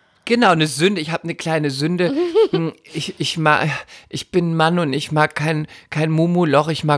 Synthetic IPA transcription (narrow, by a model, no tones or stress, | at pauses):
ɡ̥ənaʊnəzʏndəɪçhaːbənəkl̥aɪnəzʏndəm̩ʔɪçʔɪçma̰ʔɪçb̥ɪnmanʊntɪçmaːkkʰːaɪnkʰaɪnmuːmulɔχɪçmaː